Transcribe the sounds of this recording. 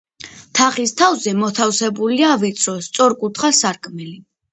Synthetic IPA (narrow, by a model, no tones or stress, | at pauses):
t̪ʰaχist̪ʰavzɛmɔt̪ʰafsɛbuliavit̪sʰɾɔst̪sʼɔɾkʼut̪ʰχasaɾkʼmɛli